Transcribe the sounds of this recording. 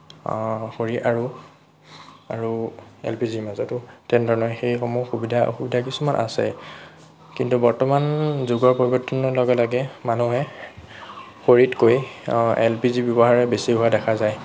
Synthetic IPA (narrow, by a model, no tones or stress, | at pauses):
xoɹiʔaɹu | a̰ɹuɛ̰lpizimazɔtʊtɛndʱɔɹnɔɹxejxɔmuxubidʱa̰xubidʱakisumanʔa̰sɛ̰ | kintubɔɹtɔmanzuɡɔɹpoɹibɔɹtʰːɔnɔlɔɡɛlaɡɛmanuɦɛ | xoɹitkojɛ̰lpizibjɔbɔɦaɹɛbesiɦʊadɛkʰazaj